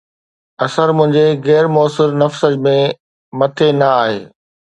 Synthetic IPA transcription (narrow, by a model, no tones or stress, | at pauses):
ɐsəɾmʊ̃ɦɪ̃ɲd͡ʑeɣɛːɾmɔːsɪɾnɐfsəd͡ʑmẽ | mɐt̪ʰenɐaːɦḛː